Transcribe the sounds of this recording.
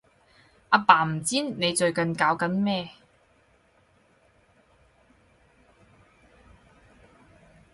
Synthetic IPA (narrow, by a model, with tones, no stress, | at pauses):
aː˨˧paː˨˩m̩˨˩t͡siː˥nne˨˧jt͡ʃɵ˨ɥkɐ˨nkaː˨˥wkɐ˨˥nmɛː˥˧